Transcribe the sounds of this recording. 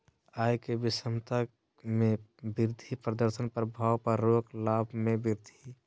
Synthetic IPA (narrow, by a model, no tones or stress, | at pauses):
aːjkebɪsəmt̪a | mẽbɪɾd̪ʱipɾəd̪əɾsənpəɾbʱaːwpəɾːoːklaːbʱmẽbɪɾd̪ʱi